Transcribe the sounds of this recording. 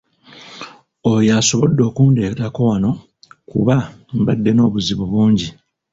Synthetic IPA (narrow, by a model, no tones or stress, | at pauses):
ojaso̞βo̞dːo̞ːkuːnde̞kɾako̞wano̞ | kṵβambadːe̞no̞ːβuziβoβuːɲɟi